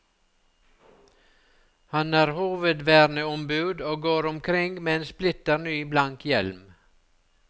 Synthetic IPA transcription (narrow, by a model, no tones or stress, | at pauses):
hɑnæːɾhuːʋəd̪ʋæːɾnəɔmbʉːd̪oːɡoːɾʊmkʰɾɪŋɡmɛnsplɪt̪əɾnyːblɑŋkjɛlm